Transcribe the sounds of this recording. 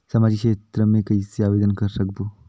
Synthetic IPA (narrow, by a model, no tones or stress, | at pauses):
sɐmad͡ʒikʃeːt̪ɾəmẽkəiseaʋed̪ənkəɾsək̚bo